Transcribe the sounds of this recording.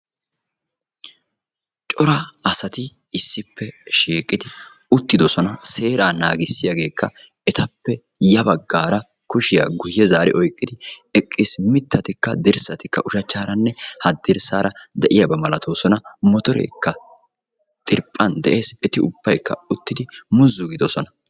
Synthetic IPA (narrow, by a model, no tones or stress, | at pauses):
t͡ʃʼɔɾɐɐsɐt̪ɪ | ɪsːɪpːɛʃiːkʼːɪd̪ɪ | ʊt̪ːɪd̪ɔsɔnɐse̞ːɾaːnaːɡɪsːɪjɐɡe̞ːkʰːɐ | ɛt̪ɐpːɛ | jɐbɐɡːaːɾɐ | kʊʃɪja̰ɡʊjːɛzaːɾɪ̰ʔɔjkʼːɪd̪ɪɛkʼːɪsmɪt̪ːɐt̪ɪkːɐd̪ɪɾsɐt̪ɪkːɐʔʊʃɐt͡ʃːaːɾɐnːɛhɐd̪ːɪɾsaːɾɐd̪ɛʔɪjɐbɐmɐlɐt̪ʰoːsɔnɐmɔt̪ɔɾḛːkːɐ | t̪ʼɪɾpʼːɐnd̪ɛʔe̞ːsɛt̪ɪʊb̥ːɐjkːɐ̰ʊt̪ːɪd̪ɪmʊzːʊɡɪd̪ɔsɔnɐ